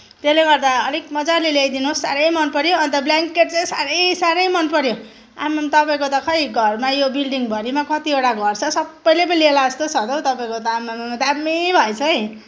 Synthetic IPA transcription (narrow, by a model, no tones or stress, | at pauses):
t̪eleɡʌrd̪aʌlek̚mʌd͡zarlelejd̪inosːaɾʌjmʌnpʌɾjoʌnt̪ʌbljaŋkeʈ̚t͡saj̃saɾʌjsaɾʌjmʌnpʌɾjo | a̰mamt̪ʌpaĩkot̪ʌkʰʌjɡʱʌrmajobilɖiŋbʱʌɾimakʌt̪ieʈaɡʱʌrt͡sʰʌsʌbːʌjlep̬ʌnilelaʌst̪osʰʌd̪ʌwt̪ʌpaĩkot̪ʌamːamd̪ammːebʱʌjt͡sʰʌĩ